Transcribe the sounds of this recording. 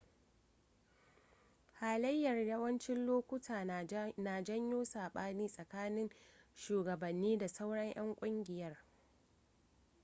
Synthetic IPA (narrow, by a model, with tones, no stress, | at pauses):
haː˨lɐ˦jːɐ˨rjɐ˦wɐ˦nt͡ʃɪ˦nloː˦kʷʊ˦tʰaː˨naː˨d͡ʒɐ˦ɲjoː˦saː˨ɓaː˦niː˦sʼɐ˨kaː˦nɪ˦ŋʃuː˨ɡɐ˨bɐ˨nːiː˦da˨sa˦wɽɐ˦ɲʔɐ˦ŋkʷʼʊ˦ŋɡʲɪ˨jɐ˦r